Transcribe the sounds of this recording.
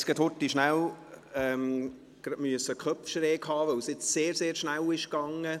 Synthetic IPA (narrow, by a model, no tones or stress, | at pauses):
sɡ̥ɛthotːiʃnælɛm | ɡ̥ɾɑmyəsəkʰχœpfʃɾeːkhɑːʋœwsjɪt͡sseːɾseːɾʃnælɪʃɡɑŋə